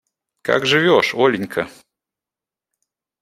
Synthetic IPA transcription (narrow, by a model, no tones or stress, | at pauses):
ka̰ɡʐɨvʲɔʂɔlʲɪnʲkʰɐ